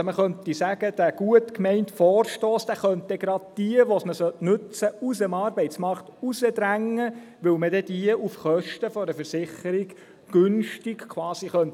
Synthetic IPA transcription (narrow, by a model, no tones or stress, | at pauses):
məχœnt̪isæɡəd̥̪æɡ̥uətkmɛɪntfɔːrʃtɔːsd̪̥æːχœnt̚dɛɡɾɑd̪̥̚d̥iəʋɔsməsœtnʉt͡səusəmɑːɾbɛɪtt͡smɑɾkt̪usəd̪ɾæŋːə | ʋɵwməd̥ɛdiəʔufχœʃtəfɔɾəfəɾsɪχəɾiɡ̥ | ɡ̥ɵnʃtiɡ̥kʰwɑːsiχœnt